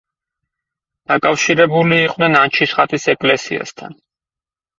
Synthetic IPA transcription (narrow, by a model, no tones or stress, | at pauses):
d̪̥akʼafʃiɾɛbuliːqʼnɛnant͡ʃʰisχat̪ʼisɛkʼlɛsḭa̰st̪ʰa̰n